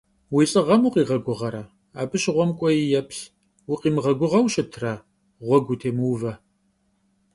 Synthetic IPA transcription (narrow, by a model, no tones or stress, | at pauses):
wiːsʼɨʁɐmuqʼiːʁɐɡʷʊʁɐɾɐ | aːbɨɕɪʁʷɔmkʷʼɔjijɛpɬ | wʊqiːmɨʁɐɡʷʊʁɐwɕʼɪtʰra | ʁʷɔɡʷutʰeːmɨwvɐ